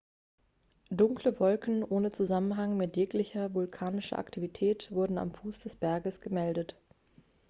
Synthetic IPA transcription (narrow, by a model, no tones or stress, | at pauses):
dʊŋkləvɔlkn̩ʔoːnət͡suzamənɦaŋmɪtjɛːklɪçɐvʊlkʰaːnɪʃɐ̰ʔa̰ktʰivitʰɛːtv̥ʊɐdn̩a̰mfuːsd̥ɛsb̥ɛɐɡəsɡ̥əmɛldət